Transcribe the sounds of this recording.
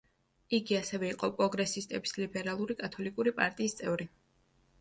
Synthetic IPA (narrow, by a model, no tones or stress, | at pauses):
iɡiasɛvɛiqʼɔpʼɾɔɡɾɛsist̪ʼɛbislibɛɾalˠuɾikʼat̪ʰɔlikʼuɾipʼa̰ɾt̪ʼiːst̪sʼɛvɾi